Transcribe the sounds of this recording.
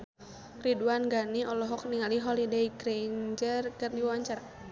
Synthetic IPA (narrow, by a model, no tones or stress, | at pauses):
riduanɡaniɔlɔɦɔk̚niŋaliɦɔlideiɡɾend͡ʒərkɨrdiwaɲt͡ʃaɾa